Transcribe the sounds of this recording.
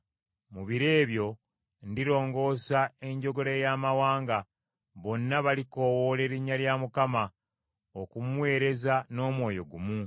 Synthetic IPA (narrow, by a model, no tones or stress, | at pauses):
muβiɾe̞ːβjo̞ | ndiɾo̞ːŋɡo̞ːsae̞ɲɟo̞ɡo̞ɾejamawaːŋɡa | βo̞nːaβaliko̞wole̞ɾiɲːaljamukama | okumuwe̞ːɾe̞zano̞ːmwo̞ːjo̞̰ɡumu